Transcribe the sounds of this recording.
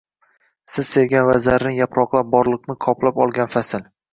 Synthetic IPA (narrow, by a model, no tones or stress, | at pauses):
sɪz̥se̞ɡʲanvazaɾnɪŋjapɾɒqlˠap̚bɒɾlˠɨqnɪqʰɒplapɒlˠɡʲanfasɪl